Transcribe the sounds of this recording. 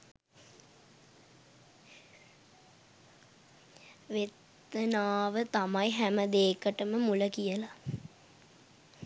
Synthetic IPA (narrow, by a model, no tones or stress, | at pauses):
ʋet̪ː | ənaːʋət̪amajɦæməd̪eːkəʈəməmuləkijəla